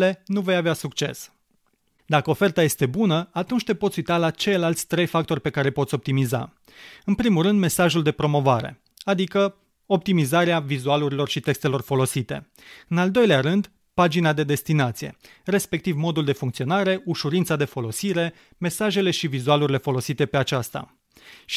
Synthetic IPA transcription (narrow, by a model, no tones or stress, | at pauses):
le̞nuve̞javeasukt͡ʃe̞̰s | d̪akəo̞fe̞rt̪aje̞st̪e̞bunəat̪unt͡ʃʲt̪e̞pot̪sʲujt̪alat͡ʃe̞jlalt̪sʲt̪ɾe̞jfak̚t̪o̞rʲpe̞kaɾe̞po̞t̪sʲop̚t̪imiza̰ | ɨnpɾimulrɨnd̪me̞saʒuld̪e̞pɾo̞mo̞vaɾe̞̰ | ad̪ikə | o̞p̚t̪imizaɾeavizualuɾilo̞rʃit̪e̞kst̪e̞lo̞rfo̞lo̞sit̪e̞̰ | ɨnald̪o̞jleaɾɨnd̪ | pad͡ʒinad̪e̞d̪e̞st̪inat̪sije̞̰ | re̞spe̞k̚t̪ivmo̞d̪uld̪e̞fuŋkt̪sio̞naɾe̞uʃuɾint̪sad̪e̞fo̞lo̞siɾe̞ | me̞saʒe̞le̞ʃivizualuɾʲile̞fo̞lo̞sit̪e̞pe̞at͡ʃast̪a̰